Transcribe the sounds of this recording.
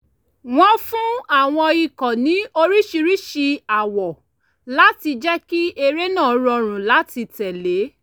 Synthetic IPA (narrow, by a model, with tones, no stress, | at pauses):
w̃ɔ̃˧fũ˦a˦˨w̃ɔ̃˧i˧kɔ˨nĩ˨˦o˧ɾi˦ʃi˧ɾi˦ʃi˧a˨wɔ˨ | la˨˦ti˧d͡ʒɛ˦ki˦ʔe˧ɾe˦nã˦˨ɔ˧˦ɾɔ˧ɾ̃ũ˨la˨˦ti˧tɛ˨le˨˦